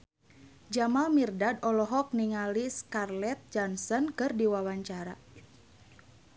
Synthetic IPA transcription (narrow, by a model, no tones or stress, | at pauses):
d͡ʒamalmirdadɔlɔɦɔk̚niŋaliskarlɛt̪̚d͡ʒɔnsɔnkɨrdiwawaɲt͡ʃaɾa̰